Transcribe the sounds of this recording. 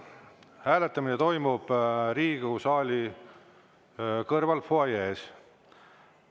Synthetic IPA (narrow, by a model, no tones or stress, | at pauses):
hæːle̞t̪ːˑɑminet̪o̞jmub̥ɾiːɡ̥usɑːlʲi | kɤrvɑlfoɑjeːs